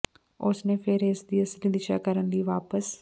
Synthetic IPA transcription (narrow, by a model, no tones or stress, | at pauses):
ʊsnẽːpʰɪɾɪsd̪iːəsliːd̪ɪʃa̰ːkəɾənliːʋaːpəs